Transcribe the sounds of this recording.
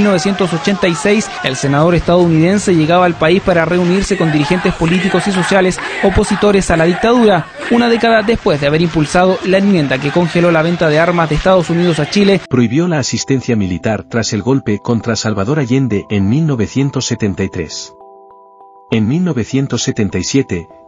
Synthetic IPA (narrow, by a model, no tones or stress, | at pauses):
lno̞βesje̞nt̪oso̞t͡ʃe̞nt̪ajsejs | else̞naðo̞ɾest̪aðounið̞e̞nse̞ʝe̞ɣaβaːlpaispaɾare̞uniɾse̞kond̪iɾixe̞nt̪espo̞lit̪iko̞sis̬o̞sjalesopo̞sit̪o̞ɾesalaðik̚t̪aðuɾa | unaðe̞kaðaðe̞spwe̞zðeaβe̞ɾimpulsað̞olaenmjend̪ake̞ko̞ŋxelo̞laβe̞nt̪að̞eaɾmazðeːst̪að̞o̞sunið̞o̞sat͡ʃilepɾo̞iβjo̞laːsist̪e̞nθjamilit̪aɾt̪ɾase̞lɣo̞lpe̞ko̞nt̪ɾasalβaðo̞ɾaʝe̞nd̪eenmilno̞βe̞θje̞nt̪osːe̞t̪e̞nt̪ajt̪ɾe̞̰s | enmilno̞βe̞θje̞nt̪o̞sːe̞t̪e̞nt̪ajsje̞t̪e̞